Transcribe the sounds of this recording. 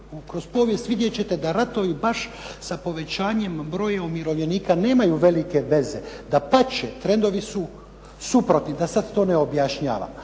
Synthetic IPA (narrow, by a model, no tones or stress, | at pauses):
kɾo̞spo̞ːʋje̞st̪ʋid̪je̞t͡ɕet̪e̞d̪aɾat̪o̞ʋibaʃsapo̞ʋe̞t͡ɕaːɲe̞mbɾo̞jaomiɾo̞ʋʎe̞niːkane̞ːmajuʋe̞like̞ʋe̞ze̞d̪apat͡ɕet̪ɾe̞nd̪o̞ʋisu | supɾo̞t̪nid̪asad̪t̪o̞ːne̞objaʃɲa̰ːʋa̰m